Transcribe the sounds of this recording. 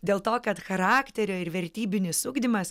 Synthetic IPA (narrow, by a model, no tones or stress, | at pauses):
d̪ʲeːlˠt̪oːkɐt̪xɐɾɑːkt̪ʲɛɾʲoːɪɾʋʲɛɾʲt̪ʲiːbʲɪnʲɪssʊɡd̪ʲɪmɐs